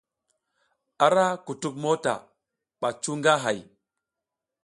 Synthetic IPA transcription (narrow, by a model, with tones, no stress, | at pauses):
a˨ɾa˦ku˨tu˦k̬̚mo˦ta̰˨ | ɓa˨t͡ʃu˦ŋɡa˦ɦa˨j